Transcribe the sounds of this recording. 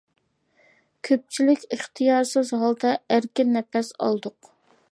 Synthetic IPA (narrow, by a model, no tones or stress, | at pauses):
kʲʰøp̚t͡ʃʰilɪkʲəχt̪ʰijɑːɾsɨzɦɑlˠd̪ɑæɾkʲɪnnːɛpɛsɑ̰lˠd̪ʊq